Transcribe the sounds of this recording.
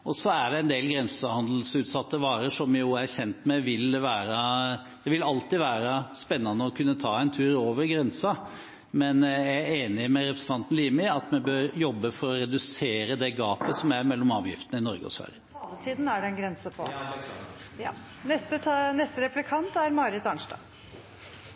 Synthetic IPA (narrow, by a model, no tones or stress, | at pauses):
ʔɔsɔæɖɛɛnd̪eːlɡɾɛnsəhɑnd̪l̩sʉːt̪sɑt̪ːəʋɑːɾəʂɔmjʊæɾçɛnt̪mɛʋɪlʋæːɾə | d̪̥ɛʋɪlɑlt̪ɪʋæːɾəspɛnːɑnːəɔkʰʉnːət̪ʰɑːɛɪnt̪ʰʉːɾoːʋəɾɡɾɛnsɑ | mɛnjææeːnɪmɛɾɛpɾəsnt̪ʰɑnt̪n̩liːmɪɑt̪mɛbøːɾjɔbːəfɔɾɔɾɛd̪ʉseːɾəd̪ɛɡɑːpəsɔmjæɪɾmɛlːɔmɑːʋjɪ̰ft̪ənəɪnɔɾɡəɔ̰sʋæ̰ɾjəd̪ət̪ʰiːd̪n̩æɖɛnɡɾɛnsəpʰɔ̰ | j | nɛst̪ənɛst̪əɾɛplɪkʰɑnt̪æɾmɑːɾɪt̪ɑɳʂdɑ̰